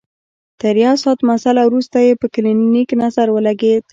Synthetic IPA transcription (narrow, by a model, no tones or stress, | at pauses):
t̪əɾijɑsɑt̪masalawɾust̪ajepəklinniknazaɾwəlaɡed̪̚